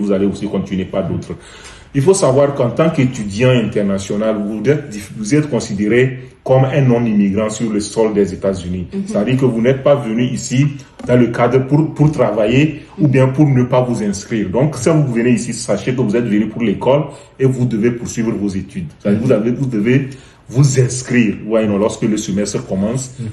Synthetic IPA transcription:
vuzaleosikɔ̃t̪ynepad̪ot̪χ | ilfosavwaʁkɑ̃t̪ɑ̃ket̪yd̪jɑ̃ɛ̃nt̪ɛʁnasjɔnalvuɛt̪ivuzɛt̪kɔ̃sid̪eʁekɔmɛ̃nɔ̃mimiɡʁɑ̃syʁləsɔld̪ɛzet̪azynisavəd̪iːʁkəvunɛt̪̚pavənyisi | d̪ɑ̃ləkad̪ʁpupuʁt̪χavaje | ubjɛ̃puʁnəpavuzɛ̃skχiːʁd̪ɔ̃ksãvuvəneisisaʃekəvuzɛt̪vənypuʁlekɔl | evud̪əvepuʁsɥivʁvozet̪yd̪saivaudəve | vuzɛ̃skχiʁvwajnɔ̃lɔʁskələsəmɛst̪χəkɔmɑ̃s

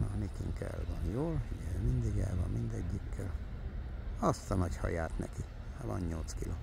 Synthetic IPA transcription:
nomikiŋkɛlvɒnjoːlijɛlmind̪iɡɛlvɒmmind̪ɛɟːikʰːɛl | ɒst̪ɒnɒchɒ̰jaːt̪nɛki | avɒ̰nɲolt̪skilʔoː

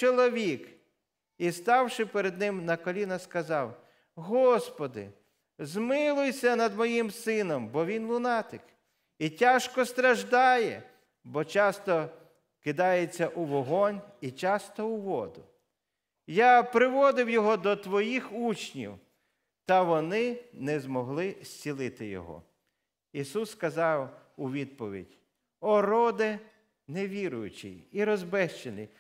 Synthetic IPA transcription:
t͡ʃɔlˠɔʋʲik | ist̪ɑwʃɪpeɾed̪̚nɪmnɐkɔlʲinɐskɐzɑw | ɦɔspɔd̪ɪ̰ | zmɪlˠʊjsʲɐnɐd̪mɔjimsɪnɔmbɔʋʲinlˠʊnɑt̪ɪk | itʲaʃkɔst̪ɾɐʒd̪ɑjɛ̰ | bɔt͡ʃɑst̪ɔ | kɪd̪ɑjet͡sʲːɐʔuʋɔɦɔnʲit͡ʃɑst̪ɔʊʋɔd̪ʊ | japɾɪʋɔd̪ɪwjɔɦɔd̪ɔt̪ʋɔjixut͡ʃnʲḭw | t̪ɐʋɔnɪnɛzmɔɦlˠɪsʲt͡sʲilˠɪt̪ɪjɔ̰ɦɔ̰ | isuskɐzɑwʊʋʲid̪̚pɔʋʲḭdʲ | ɔɾɔd̪ɪ | neʋʲiɾʊjʊt͡ʃḭiɾɔzbɛʃt͡ʃenɪ̰

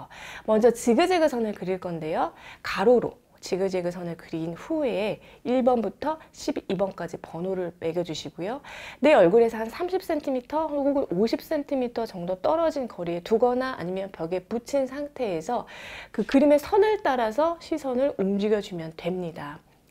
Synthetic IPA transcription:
mʌnd͡ʑʌt͡ɕiɡɯd͡ʑe̞ɡɯsʰʌnɯɭkɯɾiɭk͈ʌnde̞jokaɾoɾo̰ | t͡ɕiɡɯd͡ʑeɡɯsʰʌnɯɭkɯɾinɸueː | iɭbʌnbutʰʌɕʰibibʌnk͈ad͡ʑipʌnoɾɯɭme̞ɡjʌd͡ʑuɕʰiɡ̥ojone̞ʌɭɡuɾe̞sʰʌhansʰamɕʰip̚s͈e̞ntʰimitʰʌɦoɭɡuɡɯnʔoɕʰip̚s͈e̞ntʰimitʰʌt͡ɕʌŋdot͈ʌɾʌd͡ʑinkʌɾie̞tuɡʌnaʔa̰ɲimjʌnpjʌɡe̞put͡ɕʰinsʰaŋtʰe̞ːsʰʌkɯkɯɾime̞sʰʌnɯɭt͈aɾasʰʌɕʰisʰʌnɯɾumd͡ʑiɡjʌd͡ʑumjʌntwe̞mɲida

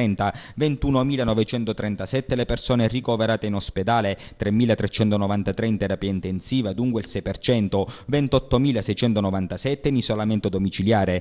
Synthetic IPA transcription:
ɛnt̪avent̪uːnomiːlanɔvet͡ʃɛnt̪ot̪ɾɛnt̪asɛt̪ːelepersoːnerikoveɾaːt̪einosped̪aːlet̪ɾemːiːlat̪ɾɛt͡ʃːɛnt̪onɔvant̪at̪ɾeint̪ɛɾapiːaint̪einsiːvad̪uŋkweilsɛjpert͡ʃɛnt̪ovɛnt̪ɔt̪ːomiːlasɛjt͡ʃɛnt̪onɔvant̪asɛt̪ːenizolament̪od̪omit͡ʃiljaːɾe

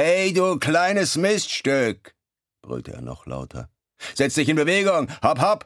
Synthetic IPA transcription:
ɛɪduːkl̥aɪnəsmɪstʃtʏk | b̥ʁʏ̰ltəʔḛːɐnɔ̰χla̰ʊtʰɐ̰ | z̥ɛt͡std̥ɪçɪnbəveːɡʊŋhaphap

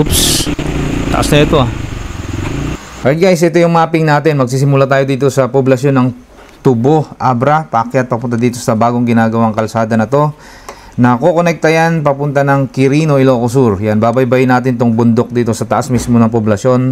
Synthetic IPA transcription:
ups | t̪ɐ̰ʔasnɐɛt̪o̞ʔa | ʔɐt̪ɡajsʔɪt̪o̞jʊŋmaːpɪŋnaːt̪ɪnmɐɡ̚siːs̬ɪmulat̪̬aːjo̞d̪iːt̪o̞sɐpoblɐʃjo̞nɐŋ | t̪ʊbo̞hʔabɾɐpakjat̪̚pɐpʊnt̪ad̪iːt̪o̞sɐbaːɡoŋɡɪnaːɡɐwaŋkɐlsaːd̪ɐnɐt̪o̞ | nɐko̞konɛk̚t̪ɐjanpɐpʊnt̪anɐŋkɪɾiːno̞ɪloːkos̬uɾjanbaːbɐjbɐjɪnaːt̪̬ɪnɪt̪oŋbʊnd̪ok̚d̪iːt̪o̞sɐt̪ɐʔasmismo̞nɐŋpoblɐʃjo̞n

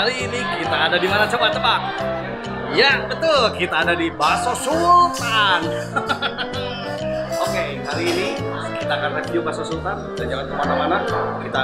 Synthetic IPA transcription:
aɾiːnikit̪aːdadimanat͡ʃəbat̪baŋ | jabət̪ʊlkit̪aːdadibasosult̪an | oke | haɾiːni | kit̪aːkanrefiubasosult̪andand͡ʒaŋankəmanamanakit̪a

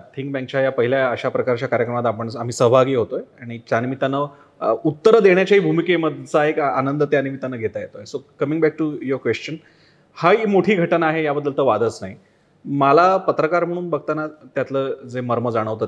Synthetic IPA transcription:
t̪ʰiŋkbɛ̃ŋk̚t͡ɕajapəɦiljaəɕapɾəkaɾt͡ɕjakaɾjəkɾəmat̪apəɳam̤iːsəɦbʱaɡiːɦot̪ojaɽ̃it͡ɕanimit̪anə | ut̪ːəɾəd̪eɳjat͡ɕaɦiːbʱumikeməd̪ʱt͡saekanənd̪ət̪janimit̪anəːɡʱet̪ajet̪oesokəmĩŋɡbæk̚ʈujəɾkʋest͡ɕən | haimoʈʰiːɡʱəʈənaːɦejabəd̪ːəlt̪əʋad̪ət͡snaɦi | malapət̪ɾəkaɾm̤əɽ̃uːnbəɡ̚t̪anat̪jat̪ləd͡zeməɾməd͡zaɽ̃əʋt̪o

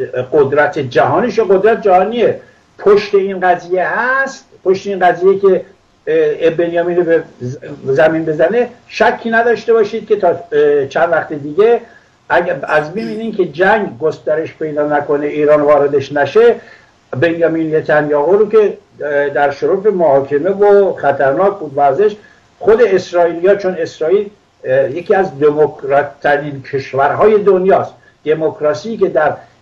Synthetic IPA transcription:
ɢod̪ɾæt̪ʰed͡ʒæɦɒːniʃeɡod̪ɾæt̪̚d͡ʒæhɒːnie | pʰoʃt̪e̞inɢæziːjehæst̪pʰoʃt̪einɢæziːjekʲe | benjɒːmiːnobe | zæminbe̞zæneʃækʰːiːnæd̪ɒːʃt̪e̞bɒːʃiːd̪̚kʲʰe̞t̪ʰɒːt͡ʃʰænd̪væxt̪ed̪iːɟe | ææzbiminiːnkʰe̞d͡ʒæŋɡɡost̪æɾe̞ʃpe̞jd̪ɒːnæko̞neʔiːɾɒːnvɒːɾed̪e̞ʃnæʃe | be̞njɒminjet̪ʰænjɒːɦoɾokʲe̞ | d̪æɾʃoɾuːfemohɒːkʰe̞me̞voχæt̪ʰæɾnɒːkbuːd̪væɾzeʃ | χo̞d̪e̞ːsɾɒːiːlijɒːt͡ʃʰone̞sɾɒːiːl | jekiːæzd̪emokʰɾɒt̪ʰːæɾinkʰe̞ʃvæɾɦɒːje̞d̪onjɒːst̪ | d̪̥e̞mokʰɾɒsiːke̞d̪æɾ

